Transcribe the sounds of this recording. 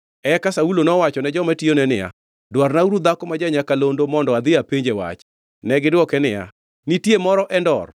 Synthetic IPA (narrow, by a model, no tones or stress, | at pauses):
ɛkasaulonɔwat͡ʃɔnɛd͡ʒɔmationɛnɪja̰ | dwarnauɾud̪akɔmad͡ʒaɲakalondomɔndɔad̪ɪapeɲd͡ʒewa̰t͡ʃ | nɛɡɪdwɔkɛnɪja̰ | nitjemɔɾɔʔɛndɔr